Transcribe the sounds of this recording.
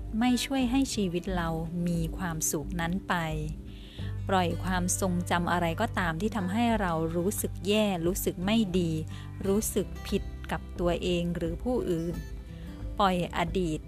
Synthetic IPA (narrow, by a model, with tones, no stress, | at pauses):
ma˥˩jt͡ɕʰu˥˩əjɦa˥˩jt͡ɕʰiː˧wi˦˥t̪̚ɾa˧wmiː˧kʰwaː˧msu˨˩k̚na˦˥npa˧j | pɾɔ˨˩jkʰwaː˧mso˧ŋt͡ɕa˧mʔa˧ɾa˧jkɔː˥˩t̪aː˧mt̪ʰiː˥˩t̪ʰa˧mɦa˥˩jɾa˧wɾuː˦˥sɯ˨˩k̚jɛː˥˩ɾuː˦˥sɯ˨˩k̚ma˥˩jdiː˧ | ɾuː˦˥sɯ˨˩k̚pʰi˨˩t̪̚ka˨˩p̚t̪u˧ɐʔeː˧ŋɾɯː˩˦pʰuː˥˩ʔɯː˨˩n | pɔ˨˩jʔa̰˧diː˨˩t̪̚